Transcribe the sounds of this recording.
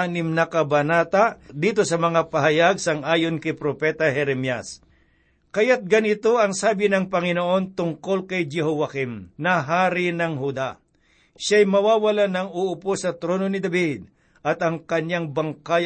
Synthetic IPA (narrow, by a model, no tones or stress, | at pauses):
anɪmnɐkɐbɐnaːt̪aʔd̪iːt̪o̞sɐmɐŋapɐɦɐjaɡ̚sɐŋʔaːjonkɐjpɾopɛːt̪ɐɦɛɾɛmjas | kɐjat̪̚ɡɐnɪt̪o̞ʔɐŋsaːbɪnɐŋpɐŋɪnoʔo̞nt̪ʊŋko̞lkɐjd͡ʒɛɦowakimnɐɦaːɾinɐŋɦud̪a | ʃajmɐwaːwɐlanɐŋuʔʊposɐt̪ɾo̞ːno̞nɪd̪ɐbid̪̚ | ʔɐt̪ɐŋkɐɲaŋbɐŋkaj